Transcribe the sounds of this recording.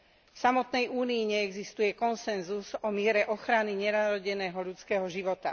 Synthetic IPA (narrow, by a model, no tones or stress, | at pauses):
fsamɔt̪nɛjuːniːɲɛɛɡzist̪ujɛkɔnsɛnzuzɔmɪɛɾɛʔɔxɾaniɲɛnaɾɔɟɛnɛːɦɔʎut͡skɛɦɔʒiʋɔt̪a